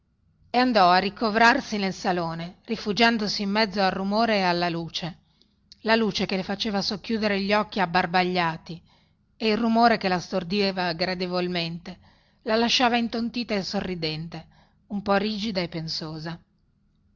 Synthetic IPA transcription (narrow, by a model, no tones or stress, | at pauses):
eand̪ɔarːikovɾarsinelsaloːnerifud͡ʒand̪osiːmːɛd̪zːoarrumoːɾeːalːaluːt͡ʃe | laluːt͡ʃekelefat͡ʃeːvasokːjuːd̪eɾeʎːiɔkːiabːarbaʎːaːt̪i | eilrumoːɾekelast̪ord̪eːvaɡɾad̪evolment̪e | lalaʃːaːvaint̪ont̪iːt̪aesorːid̪ɛnt̪e | umpɔriːd͡ʒid̪aepːensoːza